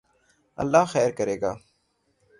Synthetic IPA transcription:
ɐ̰lːaːxɛːɾkəɾeːɡaː

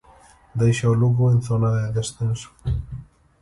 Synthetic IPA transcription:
d̪ejʃaoluɣoenθonaðeðesθenso̥

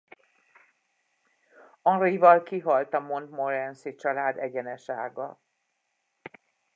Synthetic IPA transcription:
ɒrivɒlkiɦɒlt̪ɒmo̞nt̪moɾɛnsit͡ʃɒlaːd̪ɛɟɛnɛʃaːɡɒ

